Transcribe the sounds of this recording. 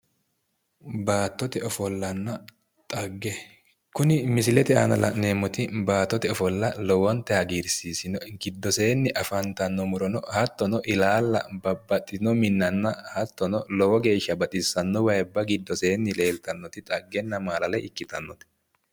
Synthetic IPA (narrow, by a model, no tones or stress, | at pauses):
baːt̪ːɔt̪ɛɔfɔlːɐnːɐ | t̪ʼɐɡːɛ | kʊnɪmɪsɪlɛt̪ɛa̰nɐ̰lɐ̰ne̞ːmːɔt̪ɪbaːt̪ːɔt̪ɛɔfɔlːɐlɔwɔnt̪ːɛhɐɡiːɾsiːsɪnɔɡɪd̪ːɔseːnːɪʔɐfɐnt̪ɐnːɔmʊɾɔnɔhɐt̪ːɔnɔʔɪlaːlːɐ̰bɐbːɐt̪ʼːɪnɔmɪnːɐnːɐhɐt̪ːɔnɔlɔwɔɡe̞ːʃːɐbɐt̪ʼɪsːɐnːɔwɐjbːɐɡɪd̪ːɔseːnːɪle̞ːlt̪ɐnːɔt̪ɪt̪ʼɐɡːɛnːɐmaːlɐlɛʔɪkːɪt̪ɐnːɔt̪ɛ̥